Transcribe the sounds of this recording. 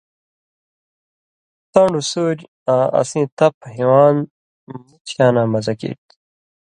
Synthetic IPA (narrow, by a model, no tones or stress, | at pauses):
t̪ãːɳɖusuːd͡ʑ | ãːɐ̰sĩːt̪ɐpʰɦiwaːn | nit͡ɕʰjaːnaːmɐzɐkḛːt̪